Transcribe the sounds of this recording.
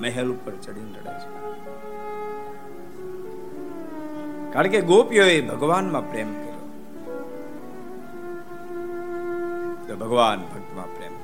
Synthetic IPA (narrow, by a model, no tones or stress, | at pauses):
mɛɦɛlupːəɾt͡ʃɐɽjũnt̪əɽḛːt͡ʃʰa | kaːlkeɡoːpjoebʱəɡʋaːnmãpɾeːmkəɾijo̰ː | t̪obʱəɡʋaːnbʱɐk̚t̪mã̰pɾḛːm